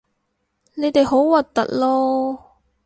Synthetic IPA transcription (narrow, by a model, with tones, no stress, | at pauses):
ne˨˧jt̪e˨jɦo˨˥wwɐ˨t̚t̪ɐ̰˨˩t̚lɔː˥